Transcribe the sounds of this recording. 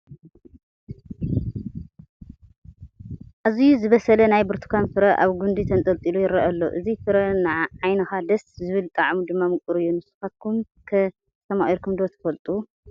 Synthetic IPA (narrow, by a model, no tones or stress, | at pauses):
ʔazijuzɨβɐsɐlɐnajbɨɾt̪ʰu̥kʰanfɨɾɐʔa̰βɡund̪it̪ʰɐnt̪ʼɐlt̪ʼilujɪɾɐʔalːoʔɨzifɨɾɐnɨʕʕajnɐxad̪ɐszɨβɨlt̪ʼaʕmud̪ɨmːamɨkʼɨɾɨjːunɨsu̥xat̪̚kʰum | kʰɐ | sɐmaʔiɾkʰumd̪ot̪ʰɐ̥fɐlt̪ʼu